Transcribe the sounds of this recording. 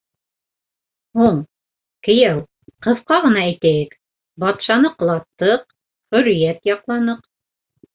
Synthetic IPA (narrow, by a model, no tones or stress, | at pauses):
huɴ | kɘ̆jæw | qɤ̆ðqɑʁɤ̆nɑæjt̪æjɘk | bɑt̪ʃɑnɤq̆lˠɑt̪ːɤq̚ | hɵ̆ɾijæt̪jɑqlˠɑnɤq